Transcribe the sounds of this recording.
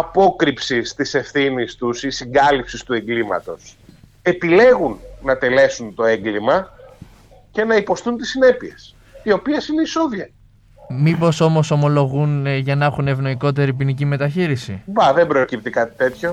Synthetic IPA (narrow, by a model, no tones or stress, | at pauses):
ɐpo̞kɾipsist̪ise̞fθinist̪usisiŋɡɐlipsist̪ue̞ŋɡlimɐ̰t̪o̞s | e̞pile̞ɣunːɐt̪e̞le̞sunt̪o̞e̞ŋɡlimɐ | ce̞nɐipo̞st̪unt̪isːine̞pie̞s | io̞piesineisoðiɐ | mipo̞so̞mo̞so̞mo̞lo̞ɣunʝɐnɐxunevno̞iko̞t̪e̞ɾipinicime̞t̪ɐçiɾisivɐðe̞bɾo̞cip̚t̪ikɐt̪i̥t̪e̞t̪ço̞